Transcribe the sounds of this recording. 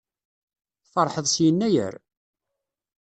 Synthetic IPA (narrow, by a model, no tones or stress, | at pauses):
fɑɾˤħəðˤsjənːæjə̰ɾ